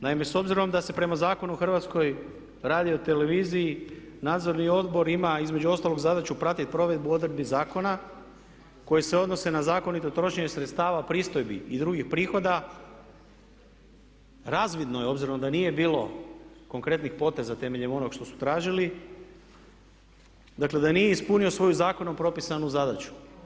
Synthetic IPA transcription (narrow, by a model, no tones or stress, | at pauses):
naime̞so̞bziɾo̞md̪ase̞pɾe̞mazaːko̞nuuxr̩ʋat̪sko̞j | ɾaːd̪io̞t̪e̞le̞ʋiːziː | naːd̪zo̞ɾnio̞d̪bo̞ɾimaizme̞d͡ʒuo̞st̪alo̞ɡzad̪at͡ʃupɾat̪it̪̚pɾo̞ʋe̞d̪̚buo̞d̪ɾd̪bizaːko̞na | ko̞jese̞o̞d̪nose̞nazaːko̞nit̪ot̪ɾo̞ʃeɲesɾet̪st̪aːʋapɾiːst̪o̞jbiid̪ɾuɡixpɾiːxo̞d̪a | ɾaːzʋid̪nojeo̞bziɾonod̪anije̞biːlo̞ | ko̞ŋkɾe̞t̪nixpo̞t̪e̞zat̪e̞me̞ʎe̞mo̞no̞ɡʃt̪o̞su̥t̪ɾaːʒili | d̪akle̞d̪anije̞ispunio̞sʋo̞juzaːko̞no̞mpɾo̞pisanuzad̪at͡ɕu̥